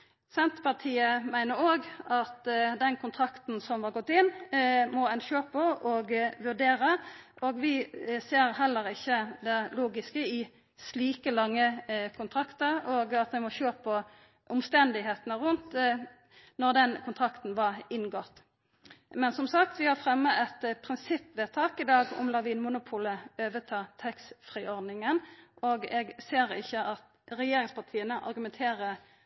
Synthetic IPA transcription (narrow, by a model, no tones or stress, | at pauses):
sɛnt̪pɑʁt̪ʰiːəmæɪnəɾoːɡɑt̪d̪ɛnkʰʊnt̪ʰɾɑkt̪n̩sɔmʋɑɾɡɔt̪ːɪnːmɔɛnʃøːpʰɔʔɔɡʋʉʁd̪eːɾəʔoːɡʋɪseːʁɦɛlːəʁɪçːəd̪ɛluːɡɪskəɪ | sliːkəlɑŋːəkʰʊnt̪ʰʁɑkt̪əʁoːɡɑt̪̚d̪ɛmɔʃøːpɔ | ʔʊmst̪ɛnd̪ɪɦeːt̪ənəʁʉnt̪ | nɔʁd̪ɛnkʰʊnt̪ʰʁɑkt̪n̩ʋɑʁɪnɡɔt̪ː | mɛnsɔmsɑk̚t̪ʋɪhɑfʁɛmːəɛt̪pʰʁɪnsɪpːʋeːt̪ʰɑːkɪd̪ɑːɡʊ̰mlɑʋiːnmʊnʊpʰuːləøːʋət̪ʰɑːt̪ʰɛksfʁiːɔʁd̪nɪŋənʔoːɡɛɡseːʁɪçːəʔɑt̪ | ɾɛjeːɾɪŋspʰɑʁt̪ʰiːənəʔɑ̰ɾɡʉmɛnt̪ʰeːɾə